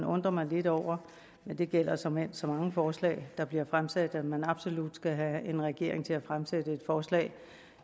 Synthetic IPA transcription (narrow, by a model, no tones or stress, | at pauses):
nɔ̽nd̥ʁɐmɑ̈ɪle̝d̥ɒʊ̰ɐ | mend̥e̝ɡ̥el̰ɐsɒmensɒ̽mɑ̈ŋəfɒːslɛ̰ːɪd̥ɑ̈b̥liɐfʁamsæd̥æmænɑ̈b̥so̝lud̥sɡ̥æɦæenʁɛɡ̥e̝̰ɐ̰e̝ŋt͡sʰe̝læfʁamsed̥əe̝d̥fɒːslɛ̰ː